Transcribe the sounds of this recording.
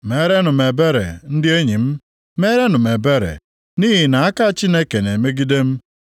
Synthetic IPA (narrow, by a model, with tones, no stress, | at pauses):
me˦ɾe˦nʊ˨me˨be˦ɾḛ˨n̩˦dɪ˦e˦ɲi˨m̩˦ | me˦ɾe˦nʊ˨me˨be˦ɾḛ˨ | niː˦ɦi˨na˨a˦ka˦t͡ʃi˦ne˦ke˨ne˨me˦ɡi˦de˦m̩˦